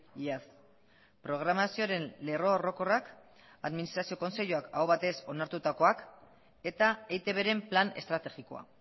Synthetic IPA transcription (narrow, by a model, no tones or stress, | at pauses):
ias | pɾo̞ɣ̞ɾamasioɾe̞nle̞ro̞ːro̞ko̞rak | aðminist̪ɾasio̞ko̞nse̞ʎuakawβat̪e̞so̞naɾt̪ut̪ako̞ak | e̞t̪aejt̪e̞βe̞ɾe̞mplane̞̰st̪ɾat̪e̞ɣiko̞a̰